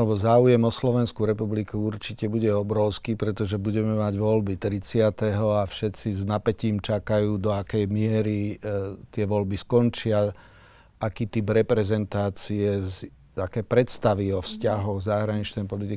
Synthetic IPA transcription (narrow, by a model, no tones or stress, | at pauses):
alɛbɔzaːujɛmɔslɔʋɛnskuɾɛpublikuuɾt͡ʃicɛbuɟɛɔbɾɔʊskiːpɾɛt̪ɔʒɛbuɟɛmɛmaɟʋɔlbit̪ɾit͡sɪat̪ɛɦɔafʃɛt̪t͡siznapɛciːmt͡ʃakajuːd̪ɔakɛjmɪɛɾit̪ɪɛʋɔlbiskɔnt͡ʃɪa | akiːt̪ibɾɛpɾɛzɛnt̪aːt͡siɛ | akɛːpɾɛt̪st̪aʋiɔfscaɦɔɣzaɦɾaɲit͡ʃnɛjpɔlit̪i